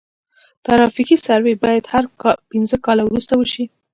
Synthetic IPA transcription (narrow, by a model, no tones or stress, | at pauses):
t̪aɾɑfikisaɾwebɑjad̪haɾpɪnzəkɑlawɾust̪awəʃi